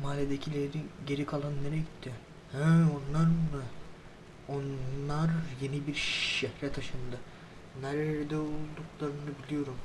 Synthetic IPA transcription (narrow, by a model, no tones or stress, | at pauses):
maːlʲed̪ecʰilʲeɾiniɟe̞ɾikʰalˠanːeɾɛɟit̪ʰːi | hɛonlˠaɾmɯ | onlˠaɾje̞nibiɾʃɛhɾɛt̪ʰaʃɯnd̪ɯ | næɾd̪ɛolˠd̪uklˠaɾɯnɯbilʲijo̞ɾum